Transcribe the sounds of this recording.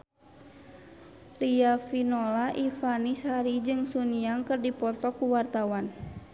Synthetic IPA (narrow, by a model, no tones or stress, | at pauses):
riafinɔlaʔifanishaɾid͡ʒɨŋsuniaŋkɨrdipɔt̪ɔkuwart̪awan